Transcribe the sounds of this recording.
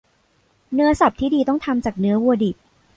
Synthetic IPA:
nɯ˦˥ɐsa˨˩p̚t̪ʰiː˥˩diː˧t̪ɔ˥˩ŋt̪ʰa˧mt͡ɕaː˨˩k̚nɯ˦˥ɐwu˧ɐdi˨˩p̚

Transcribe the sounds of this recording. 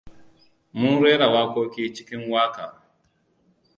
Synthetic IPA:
mʊ˦nɾeː˦ɽa˨waː˦kʷoː˦kʲiː˦t͡ʃɪ̥˦kʲɪ˦ŋwaː˦kaː˨

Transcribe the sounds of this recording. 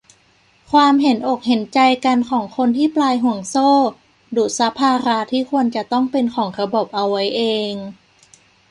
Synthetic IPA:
kʰwaː˧mɦe˩˦nʔo˨˩k̚ɦe˩˦nt͡ɕa˧jka˧nkʰɔː˩˦ŋkʰo˧nt̪ʰiː˥˩plaː˧jɦu˨˩˦əŋsoː˥˩ | du˨˩t̪̚sa˧˦˥pʰaː˧ɾa˦˥t̪ʰiː˥˩ku˧ənt͡ɕa˨˩t̪ɔ˥˩ŋpe˧nkʰɔː˩˦ŋɾa˧bo˨˩p̚ʔa˧wːa˦˥jʔeː˧ŋ

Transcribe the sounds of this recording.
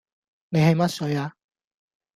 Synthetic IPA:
ne˨˧jhɐ˨jmɐ˥t̚sɵ˨˥ɥaː˧

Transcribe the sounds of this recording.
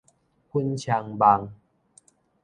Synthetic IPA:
kʰu˦nt͡ɕʰa˧ŋba˧ŋ

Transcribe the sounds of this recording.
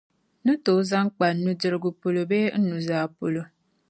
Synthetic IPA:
nu˦to˨˦za˦ŋ˦k͡pa˨˦nu˦d͡ʒɨ˦ɾɨ˦ɡu˦po˨lo˨beː˦n̩˦nu˨zaː˨po˨lo˨

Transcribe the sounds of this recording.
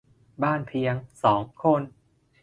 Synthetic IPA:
baː˥˩npʰi˧əŋsɔː˩˦ŋkʰo˧˥˨n

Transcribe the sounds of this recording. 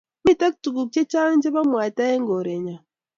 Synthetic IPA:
mi˦˨ta˦ki̥˨tu˨ku˨ce˦t͡ʃaː˦ɲɟe˦βa˦mwaː˨ta˦e˦ŋɡo˨ɾe˨ɲa˨

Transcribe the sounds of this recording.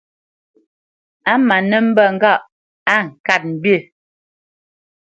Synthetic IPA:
a˦ma˨nə˦m̩˦bə˦˨ŋ̩˦˨ɡa˦˨ʔ | a˦ŋ̩˨ka˦˨t̚m̩˨bje˦˨

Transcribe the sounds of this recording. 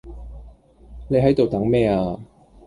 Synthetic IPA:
ne˨˧jɦɐ˨˥jt̪o˨wt̪ɐ˨˥ŋmɛː˥aː˧

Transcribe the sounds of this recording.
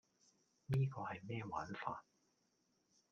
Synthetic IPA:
niː˥kɔː˧hɐ˨jmɛː˥wa̰ː˨˥nfa̰ː˧t̚

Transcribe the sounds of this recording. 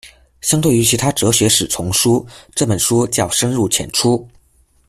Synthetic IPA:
ɕjɑ˥ŋt̪we˥˩ɪy˧˥t͡ɕʰi˧˥t̪ʰa˥ʈ͡ʂɤ˧˥ɕɥɛ˧˥ʂɻ̩˨˩t͡sʰʊ˧˥ŋʂu˥ʈ͡ʂɤ˥˩pə˨˩nʂu˥t͡ɕjɑ˥˩ʊʂə˥nɻu˥˩t͡ɕʰjɛ̰˨˩nʈ͡ʂʰu˥

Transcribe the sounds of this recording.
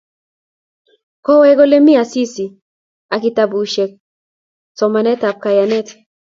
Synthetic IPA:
kɔ˦wɛ˦ɡɔ˦le˦mi˦a˨si˦si˨ | a˨ki˨ta˨bu˨ʃe˨k̚ | sɔ˨ma˨nɛ˦ta˨p̚ka˨ja˨nɛ˦t

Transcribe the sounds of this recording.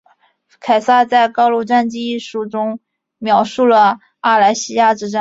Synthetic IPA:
kʰa˨˩ɪsa˥˧t͡sa˥˩ɪkɑ˥ʊlu˥˧ʈ͡ʂa˥˧nt͡ɕi˥i˥˩ʂu˧˥˩ʈ͡ʂʊ˥ŋ | mjɑ˧˥ʊʂu˥˩lə˩ | a˥˩la˧˥ɪɕi˥ja˥˩ʈ͡ʂɻ̩˥˩ʈ͡ʂa˥˩

